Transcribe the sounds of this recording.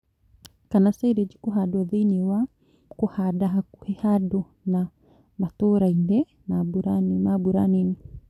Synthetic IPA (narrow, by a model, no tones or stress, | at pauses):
kanasaiɾɛd͡ʒikuɦadwaðiniwa | kuhaɗaɦakuhɛhadɔ | na | mat̪uɾaindɛ | nabuɾannabuɾanini